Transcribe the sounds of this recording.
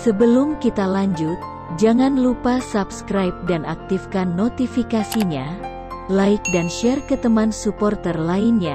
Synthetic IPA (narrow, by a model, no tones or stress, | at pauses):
səbəlumkit̪alaɲd͡ʒʊt̪̚ | d͡ʒaŋanlupasapskɾajp̚danak̚t̪ifkanːot̪ifikasiɲa | laɪk̚danʃɛrkət̪əmansupɔrt̪ərlainɲa